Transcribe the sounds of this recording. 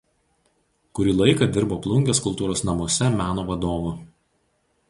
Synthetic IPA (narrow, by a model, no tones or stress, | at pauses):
kʊɾʲiːlˠɐɪkɐˑd̪ʲɪɾboːplˠʊŋʲɡʲɛskʊlˠt̪uːɾoːsnɐmuɔsʲɛmʲæːnoːʋɐd̪oːʋo